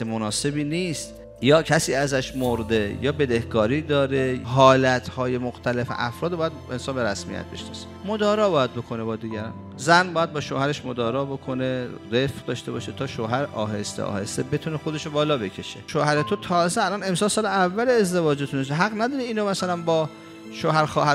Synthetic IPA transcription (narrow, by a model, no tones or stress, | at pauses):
emonɒːse̞biːniːst̪ | jɒːcʰæsiːæzæʃmoɾd̪ejɒːbe̞d̪ehɡɒːɾiːd̪ɒːɾeɦɒːlæt̪ʰhɒːje̞moxt̪ʰælefḛʔæ̰fɾɒːd̪bːjæd̪ensɒːnbe̞ɾæsmḭjæ̰t̪̚be̞̰ʃnɒ̰se̥mod̪ɒːɾɒːbɒːjæd̪̚bokʰone̞bɒːd̪iːɟæɾɒ̰ːn | zænbɒːjæd̪̚bɒːʃo̰ːhæɾe̞ʃmod̪ɒːɾɒːbo̞kʰoneɾefd̪ɒːʃt̪e̞bɒ̰ːʃet̪ʰɒːʃoːɦæɾʔɒ̰ːɦe̞̰st̪ḛʔɒ̰ːhest̪ebe̞t̪ʰuːnexo̞d̪e̞ʃobɒːlɒːbecʰe̞ʃeʃoːhæɾet̪ʰot̪ʰɒːzeælɒne̞msɒːlsɒːleævːæleːzd̪e̞vɒːd͡ʒet̪ʰunesɦæɣnæd̪ɒːɾiiːnomæsælænbɒː | ʃoːɦæɾxɒːhæ